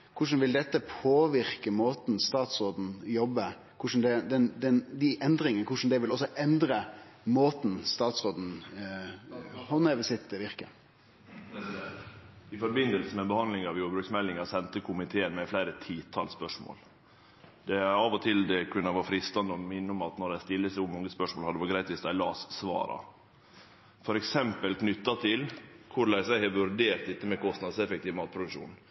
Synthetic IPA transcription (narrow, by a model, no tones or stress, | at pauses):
kʰʊʂn̩ʋɪld̪ɛt̪ːəpʰoːʋɪɾkəmoːt̪n̩st̪ɑːt̪sɾoːd̪n̩jɔbːə | kʰʊʂn̩d̪ɛd̪ɛnd̪ɛnd̪ɪʔɛnd̪ɾɪŋənkʰʊʂn̩d̪ɛʋɪlɔsːɔʔɛnd̪ɾə | moːt̪n̩st̪ɑːt̪sɾoːd̪n̩ | hɔneːʋəsɪt̪ːʋɪɾkə | ɪfɔɾbɪnd̪əlsəmɛnbəhɑnd̪lɪŋɑʋjuːɾbɾʉksmɛlːɪŋɑsɛnt̪əkʰʊmɪt̪ʰeːənmɛflæɪɾət̪ʰiːt̪ʰɑ̰lspœʂmo̰ːl | d̪ɛæɾɑːʋɔt̪ʰɪld̪ɛkʰʉnːəʋɑfɾɪst̪ɑnd̪əɔmɪnːəʊmɑt̪nɔdæɪst̪ɪlːəsʊmɔŋːəspœʂmoːlhɑd̪əʋɑɡɾæɪt̪ʋɪsd̪æɪlɑːssʋɑ̰ːɾɑ̰ | fɔɾɛksɛmpəlknʏt̪ːɑt̪ʰɪlkʰʊɾɭæɪsæhɛʋʉɾd̪eːɾt̪ɪt̪ːəmɛkʰɔst̪nɑd̪əsɛfɛkt̪iːʋmɑːt̪̚pʰɾʊd̪ʉkʂṵːn